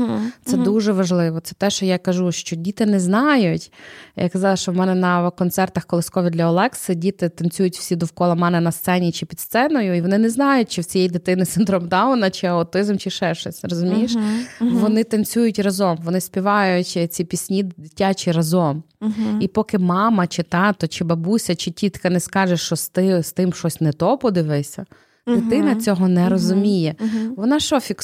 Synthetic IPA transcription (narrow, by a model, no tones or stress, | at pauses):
t̪sɛd̪uʒɛʋɐʒlˠɪʋɔt̪sɛ̥t̪ɛʃt͡ʃɔjakɐʒuʃt͡ʃɔdʲit̪ɪnɛznɑjʊtʲjʔa̰kɐzɑlˠɐʃt͡ʃɔwmɛnɛnɐkɔnt̪sɛrt̪ɐxkɔlˠɪsʲkɔʋʲid̪lʲɐɔlˠɛksɪdʲit̪ɪt̪ɐnt͡sʲujʊtʲw̥sʲid̪ɔwkɔlˠɐmɑnɪnɐst̪sɛnʲit͡ʃɪpʲid̪st̪sɛnɔjʊiʋɔnɪnɛznɑjʊt̚ʲt͡ʃɪwt͡sʲijɛjid̪ɪt̪ɪnɪt̪sɪnd̪ɾɔmd̪ɑʊnɐt͡ʃɪɐʊt̪ɪzɐmt͡ʃɪʃɛʃɔsʲɾɐzʊmʲiʃʋɔnɪt̪ɐnʲt͡sʲujʊtʲrɐzɔmʋɔnɪspʲiʋɑjʊt͡ʃʲt͡sʲipʲisʲnʲid̪ɪtʲːat͡ʃɪɾɐzɔmipɔkɪmɑmɐt͡ʃɪt̪ɑt̪ɔt͡ʃɪbɐbusʲɐt͡ʃɪtʲit̪kɐnɛskɑʒɛʃt͡ʃɔst̪ɪst̪ɪmʃɔsʲnɛt̪ɔpɔd̪ɪʋɪsʲɐ̰ | d̪ɪt̪ɪnɐt͡sʲɔɦɔnɛɾɔzʊmʲijɛʋɔnɑʃɔfʲik